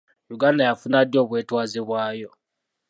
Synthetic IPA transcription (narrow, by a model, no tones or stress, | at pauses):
juɡandajafunadjo̞ːβweːtwaːziβwaːjo̞